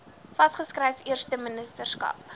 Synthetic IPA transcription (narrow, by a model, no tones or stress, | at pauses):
fɐsχəskrɛjfiərstəmənəstərskɐ̰p̚